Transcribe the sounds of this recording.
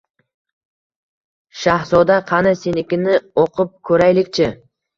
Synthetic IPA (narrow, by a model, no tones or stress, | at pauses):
ʃahzɔd̪aqʰɑnasenɪkʲɪnɪoqʰʊp̚kʰɵɾajlɪkʲt͡ʃʰɪ